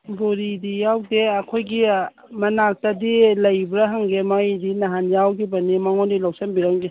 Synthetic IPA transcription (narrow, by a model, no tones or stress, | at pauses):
boɾidijawdeɐkʰojɡi | mɐnak̚tadilɐjbɾaɦaŋɡemajdinaɦanjawkibɐnimaŋɔndilɔwsambiɾaŋɡe